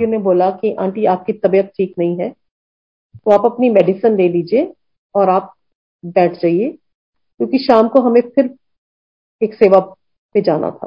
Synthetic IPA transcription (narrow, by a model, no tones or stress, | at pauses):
oneboːlakiʔã̰ːɳʈiaːp̚kit̪ɐbijət̪̚ʈʰiːknɐɦĩɦɛː | t̪oaːpɐpnimɛːɖɪsənleːliːd͡ʒie | ɔːɾaːp̚ | bɛːʈʰd͡ʒaːieː | kjõːkiʃaːmkoɦɐmẽpʰɪɾ | eːkseːʋa | ped͡ʒaːna̰t̪ʰa̰ː